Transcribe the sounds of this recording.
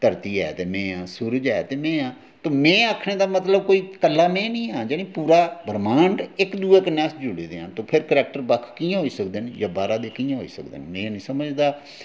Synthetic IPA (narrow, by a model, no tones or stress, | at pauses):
t̪əɾt̪iːɛ̰ːt̪eːmẽːãːsuːɾd͡ʒɛːt̪eːmẽːãː | t̪õːmɛ̃ːaːkʰɳeːd̪aːmət̪ləb̚koːiːkəlːaːmẽːnĩːãːd͡ʒeːnĩːpuːɾaːbəɾmãːɳɖɪkd̪uːeːkənɛːsd͡ʒʊɽeːd̪eːãːt̪õːpʰɪɾkəɾɛːk̚ʈəɾbəkʰkiːãɦoːiːsəkd̪enjaːbaːɾaːd̪eːkiːãɦo̰ːḭːsə̰k̚d̪ḛnmẽːnĩːsəməd͡ʒd̪aː